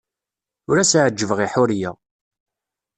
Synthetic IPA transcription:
ʊɾæsʕəd͡ʒːəvəʁiħʊɾja

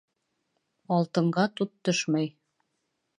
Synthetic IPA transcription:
ɑlˠt̪ɤ̆ɴɢɑt̪ut̪ːɵʃmɑj

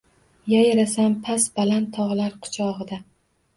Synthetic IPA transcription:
jajaɾasampʰasbalant̪ʰːɒʁlˠaɾqʰʊ̥t͡ʃʰɒʁɨd̪a

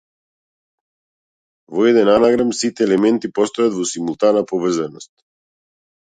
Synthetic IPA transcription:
vɔɛd̪ɛnanaɡɾamsit̪ɛːlɛmɛnt̪ipɔst̪ɔjad̪vɔsimulˠt̪anapɔvr̩zanɔst̪̚

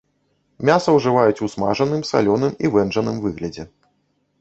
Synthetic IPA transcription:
mʲasɐwʐɨvajut͡sʲusmaʐɐnɨmsa̰lʲɔnɨmivɛnʐɐnɨmvɨɣlʲɐd͡zʲɛ

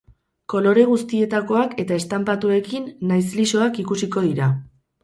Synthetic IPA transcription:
ko̞lo̞ɾe̞ɣ̞ust̪ie̞t̪ako̞ake̞t̪ae̞st̪ampat̪ue̞kinːajsliso̞akikusiko̞ð̞iɾa

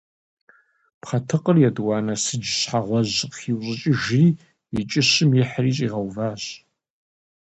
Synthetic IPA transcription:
pχɐtʰɨqʼərjɛdwɑːnɐsɨd͡ʒɕħaʁʷɔʑqχiwɕʼɪt͡ʃʼɪʒriː | it͡ʃʼɪɕɨmjɪħriːɕʼiːʁɐwvaːɕ

